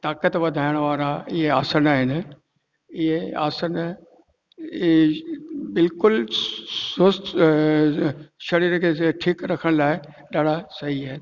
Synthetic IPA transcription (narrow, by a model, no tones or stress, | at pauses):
t̪aːkət̪ʋɐd̪ʱaːjɪəɽ̃ʋaːɾaɪɦeaːsənaːɦɪn | ɪɦea̰ːsən | bɪlkʊl | sʊst̪ | ʃɐɾiːɾkʰeʈʰiːkɾɐkʰəɽ̃laːɪ | ɗaːɽ̤ʱasɐɦiaːɦɪn